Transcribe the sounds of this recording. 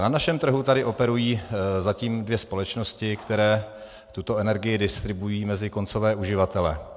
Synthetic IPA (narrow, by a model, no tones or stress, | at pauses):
nanaʃɛmt̪r̩ɦut̪adɪʔo̞pɛɾujiːzaciːmdvjɛspo̞lɛt͡ʃnoscɪkt̪ɛɾɛː | t̪ut̪o̞ɛnɛɾɡɪjɪdɪst̪ɾɪbujiːmɛzɪko̞nt͡sovɛːʔuʒɪvat̪ɛlɛ̰